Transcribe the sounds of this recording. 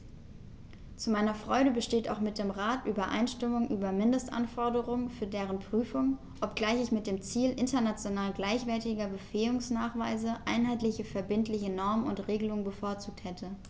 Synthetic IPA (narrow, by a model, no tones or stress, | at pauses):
t͡sumaɪnɐfʁ̥ɔʏɾəbəʃteːta̰ʊxmɪt̚d̥eːmʁaːtʔyːbɐʔa̰ɪnʃtɪmʊŋʔyːbɐmɪndəstʔa̰nfɔɐdəʁ̞ʊŋənfyːɐdeːʁ̞ənpʁ̥yːfʊŋ | ʔɔpɡ̥laɪçɪçmɪt̚d̥eːmt͡siːlʔɪntɐnat͡sjonaːlɡlaɪçv̥ɛɐtɪɡɐbəfeːʊŋsnaːχv̥aɪzəʔaɪnɦaɪtlɪçəfɛɐbɪntlɪçənɔɐmənʊntʁeːɡəlʊŋənbəfoːɐt͡suːk̚thɛtʰə